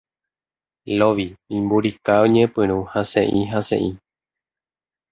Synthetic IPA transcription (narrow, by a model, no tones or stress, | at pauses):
loʋiĩmbuɾikaõɲẽpɨ̃ɾ̃ũhasḛ̃ʔĩɦasḛ̃ʔĩ